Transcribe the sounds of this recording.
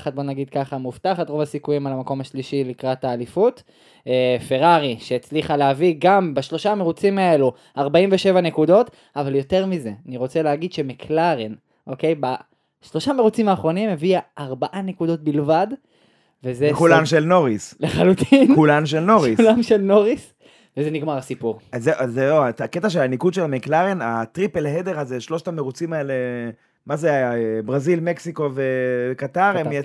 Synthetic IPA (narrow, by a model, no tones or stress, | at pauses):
χat̪̚bo̞naɡid̪kaχamuftaχat̪ʁo̞vasikujimalamako̞maʃliʃilikʁat̪aːlifut̪ | efe̞ʁaʁiʃeːt͡sliχaleaviɡambaʃlo̞ʃame̞ʁut͡simae̞lu | aʁbaimveʃe̞vanekudo̞t | avaljo̞te̞ʁmize̞aniʁo̞t͡seleaɡid̪ʃemekʰlaʁin | ʔo̞ke̞jba | ʃlo̞ʃameʁut͡simaːχʁo̞nimːeviaʔaʁbaʔanekud̪o̞t̪̚bilvad̪ | vezekulanʃelno̞ʁisleχalut̪ʰinulanʃ̬elnoʁiulamʃelno̞ʁis | vezeniɡmaʁasipuʁzezeoaaket̪aʃ̬elanikud̪ʃelmeklaʁenat̪ʁipelɦed̪eʁazeʃlo̞ʃtameʁut͡simaele | mazebʁazilmeksiko̞vekat̪aʁemje